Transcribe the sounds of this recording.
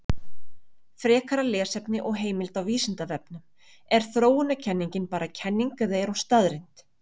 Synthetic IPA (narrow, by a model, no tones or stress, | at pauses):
fɾɛːkʰaɾalɛːsɛpnɪʔɔɣɦeːjmɪlt̪awviːsɪnt̪avɛpnʏm | ɛɾ̥θɾoːwʏnacʰɛnːiɲcɪnpaːɾacʰɛnːiŋkʏðejɛɾhunst̪aðɾɪjnt̪